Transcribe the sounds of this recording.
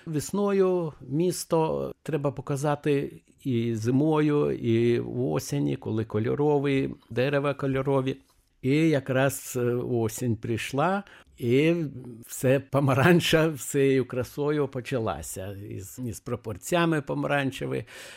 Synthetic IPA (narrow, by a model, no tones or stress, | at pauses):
ʋʲɪsnɔjʊmʲiːst̪ɔt̪ɾɛbɐpɔkɐzɑt̪ɪ | izɪmɔjʊio̰sʲenʲḭkɔlˠɪkɔlʲɔ̰ɾɔʋɪjd̪ɛɾɛʋɐkɔlʲɔɾɔʋʲi | ɪjɐkɾɑsosʲenʲpɾʲɪʃlˠɑ | ɪ | wsɛpɐmɐɾɑnʲt͡ʃɐsʲɛjejʊkɾɐsɔjʊpɔt͡ʃʲɐlˠɑ̰sʲɐḭzispɾɔpɔrsʲjamɪpɐmɐɾɑnʲt͡ʃɛʋɪ̰